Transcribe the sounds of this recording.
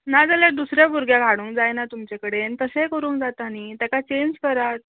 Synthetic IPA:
nad͡zaljad̪usɾjabuɾɡʱjaɡʱaɽ̃uːŋkd͡zajnat̪umt͡ɕakəɽent̪əsekəɾũːŋkd͡zat̪anit̪jakat͡ɕeɲd͡ʑkəɾat̪̚

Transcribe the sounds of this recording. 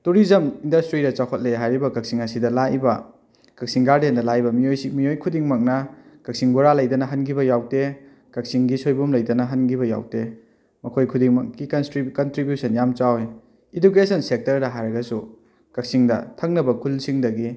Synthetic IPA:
tuɾizɐmindɐstɾidɐt͡ʃawkʰot̚lejɦajɾibɐkɐk̚siŋɐsidɐlaibɐ | kɐk̚siŋɡaɾdendɐlajbɐmiojsimiojkʰudiŋmɐk̚nɐkɐk̚siŋbuɾalɐjdɐnɐɦɐnɡibɐjawte | kɐk̚siŋɡisojbumlɐjdɐnɐɦɐnɡibɐja̰wte | mɐkʰojkʰudiŋmɐkːikkɐntɾibjusɐnjamt͡ʃawe | iduk̬esɐnsek̚tɐɾdɐɦajɾɐɡɐsu | kɐk̚siŋdɐ̰tʰɐŋ̚nɐbɐkʰulsiŋdɐɡi

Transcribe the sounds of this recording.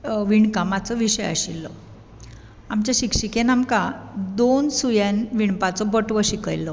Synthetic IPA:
ʋiɳkamat͡sɔʋiɕəja̰ɕilːɔ | amt͡ɕjaɕikʂikenamkad̪onsujanʋiɳpat͡sɔbəʈʋəɕikəjlːɔ

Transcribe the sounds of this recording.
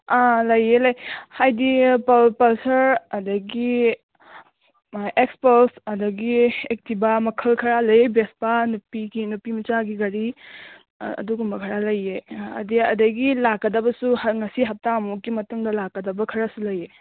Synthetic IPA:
alɐjelɐjhajdippɐlsɐɾɐdɐɡi | ekspolsɐdɐɡiek̚tʰibamɐkʰɐlkʰɐɾalɐjebespanupiɡinupimɐt͡ʃaɡiɡɐɾi | ɐ̰duɡumbɐkʰɐɾalɐjeɐ̰diɐdɐɡilakːɐdɐbɐsuhŋɐsiɦɐp̚tamokːimɐtuŋdɐlakːɐdɐbɐkʰɐɾasulɐje

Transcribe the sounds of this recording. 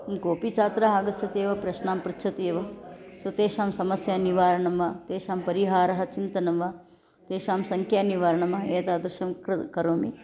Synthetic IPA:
ɡoːpit͡ʃaːt̪ɾɐɦaːɡɐtːt͡ʃʰɐt̪eːʋɐpɾɐʃnaːmpɾɨtːt͡ʃʰɐt̪eːʋɐsɐt̪eːʃaːmsɐmɐsjaːniʋaːɾɐɳɐmʋɐt̪eːʃaːmpɐɾiɦaːɾɐɦɐ̆t͡ʃint̪ɐnɐmʋɐ | t̪eːʃaːmsɐŋkʰjaːniʋaːɾɐɳɐmɐeːt̪aːd̪ɾɨʃɐmkkɐɾoːmḭ

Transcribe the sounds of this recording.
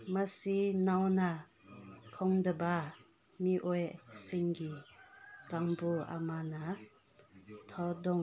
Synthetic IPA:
masinawna | kʰɔŋdəba | miʔɔjsiŋɡi | kaŋbua̰mana | tʰawdɔŋ

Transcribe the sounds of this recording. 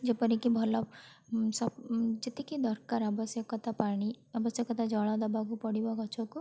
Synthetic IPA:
d͡ʒepɔɾikibʱɔlɔbsɔbd͡ʒit̪ikid̪ɔɾkaɾabɔsjekɔt̪apaɽ̃i | ɔbəsjekɔt̪ad͡ʒɔɭ̃ad̪ɔbaɡupɔɽibɔkɔt͡ʃʰɔku

